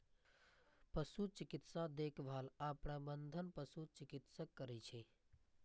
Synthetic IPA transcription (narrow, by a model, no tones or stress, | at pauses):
pəsut͡ʃɪkɪt̪sad̪eːkʰʋʱaːlaːpɽ̃abənd̪ʱənpəsut͡ʃɪkɪt̪səkːəɾit͡ʃʰe